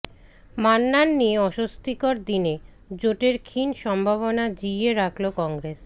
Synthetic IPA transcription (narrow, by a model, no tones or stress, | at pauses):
manːanːieɔʃost̪ikoɾd̪ine | d͡ʑoʈeɾkʰinʃɔmbʱaβonad͡ʑijeɾakʰlokɔŋɡɾes